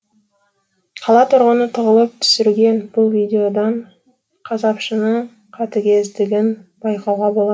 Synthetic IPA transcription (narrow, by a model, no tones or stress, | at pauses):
qʰɑlˠɑt̪ʰʊɾʁənət̪ʰʊʁəlˠəp̚t̪ʰʏ̥sɪɾɡʲe̞nbʊlˠvijd̪ʲeo̞d̪ɑɴ | qʰɑzɑpʃənəɴ | qʰɑt̪əɡʲe̞zd̪ɪɡʲɪnb̥ɑjqɑwʁɑbo̞lˠɑ